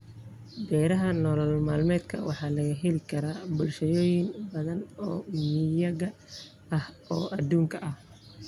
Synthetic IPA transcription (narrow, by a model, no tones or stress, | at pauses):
bɛːɾɐɦɐnɔlɔlmaːlmɛːd̪kʰɐ̰wɑ̰ħɑːlɐɣɐɦɛlɪkʰɐɾaːbʊlʃɐjɔːjɪnbɐðɐnɔːjjɐɣɐ | ɐh | ɔːʔɐd̪uːŋkʰɐʔɐh